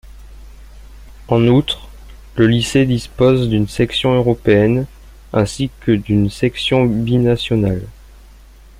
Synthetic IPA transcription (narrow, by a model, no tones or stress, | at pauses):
ɑ̃nut̪χ | ləlised̪ispozd̪ynsɛksjɔ̃øʁɔpeɛn | ɛ̃sikəd̪ynsɛksjɔ̃binasjɔnal